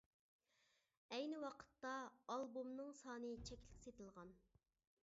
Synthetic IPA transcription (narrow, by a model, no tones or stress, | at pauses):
ɛjnɨwɑqʰə̥t̪ːɑːlˠbumnɨŋsɑːnɨt͡ʃʰɛkʲlɪ̥kʲset̪ɨlˠʁɑn